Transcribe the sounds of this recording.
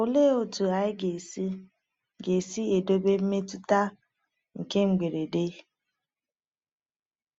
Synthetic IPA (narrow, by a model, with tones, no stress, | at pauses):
ʊ˨le˦o˨tu˨a˨ɪ˦ɡe˨si˦ | ɡe˨si˦e˨do˦be˦m̩˦me˦tu˦ta˦ | ŋ̩˨ke˦ŋ͡m̩˨ɡ͡be˨ɾe˨de˦